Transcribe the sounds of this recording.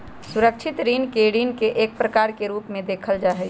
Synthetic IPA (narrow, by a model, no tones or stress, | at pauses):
suɾəkt͡ʃʰɪt̪ɾiːnkeɽiːnkeʔeːk̚pɾəkaːɾkeɾuːpmẽd̪eːkʰəld͡ʒaːɦɛ